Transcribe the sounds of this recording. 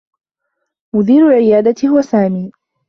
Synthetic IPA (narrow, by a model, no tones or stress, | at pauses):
mʊd̪iːɾʊlʕɪjaːd̪at̪hʊwasaːmiː